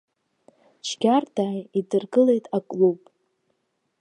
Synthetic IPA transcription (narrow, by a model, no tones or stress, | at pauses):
t͡ʃʰɡʲardʰaːjidɨrɡɨle̞jtʼakʼlupʼ